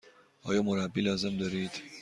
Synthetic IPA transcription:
ɒ̰jomoɾaːbilɛzɛmd̪øɾiːt̪

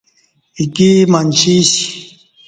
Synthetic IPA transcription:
ikimanɕiɕi

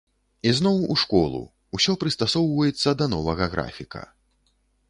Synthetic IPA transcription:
iznɔwuʂkɔlˠṵ | usʲɔpɾɨst̪asɔwvɐjɛt̪sːɐd̪ɐnɔvɐɣɐɣɾa̰fʲikɐ̰

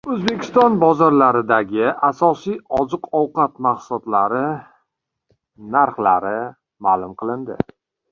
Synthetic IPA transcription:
ɵzbe̞kʲʰɪ̥st̪ɒnbɒzɒɾlaɾɪd̪aɡʲɪasɒsijɒzɨqɒwqɑt̪maχsʊɒt̪laɾɪ | naɾχlaɾɪ | maːlʊmqʰɨlˠɪnd̪ɪ̰

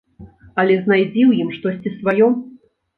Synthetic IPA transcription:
ɐlʲɛznajd͡zʲiwjimʂt̪ɔsʲt͡sʲisvajɔ

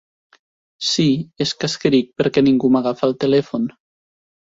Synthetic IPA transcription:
sieskaskəɾik̚pəɾkɛniŋɡumaɣafalˠt̪elɛfon

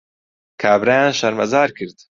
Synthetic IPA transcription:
kʰaːbɾajaːnʃɐɾmɐzaːɾkʰɨɾd̪

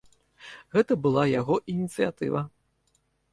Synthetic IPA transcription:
ɣɛt̪ɐbɨlˠajaɣɔʔinʲit̪sɨjat̪ɨ̰vɐ

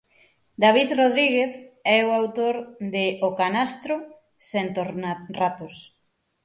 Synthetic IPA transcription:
d̪aβiðroð̞ɾiɣeθɛoawt̪oɾd̪ɪokanast̪ɾo | sent̪orat̪os

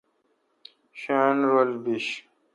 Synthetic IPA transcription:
ɕanɾolbiɕ

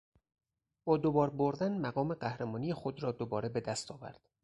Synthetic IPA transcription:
b̥ɒːd̪obɒːɾboɾd̪ænmæɢɒːme̞ɢæhɾemɒːnijexod̪ɾɒːd̪obɒːɾe̞be̞d̪æst̪ʰɒːvæ̰ɾd̪̥

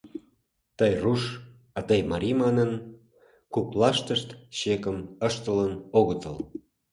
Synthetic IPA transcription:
t̪əjruʃ | ɑt̪ɑjmɑɾʲimɑnən | kuplɑʃt̪əʃt̪ɕekəməʃt̪ələnoɣət̪ə̰l

